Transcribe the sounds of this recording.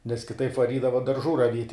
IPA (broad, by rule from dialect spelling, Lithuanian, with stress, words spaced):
nʲɛs kʲɪˈtɐɪp ʋɐˈrʲiːdɐʋɐ dɐrˈʒuː rɐˈʋʲiɛtʲ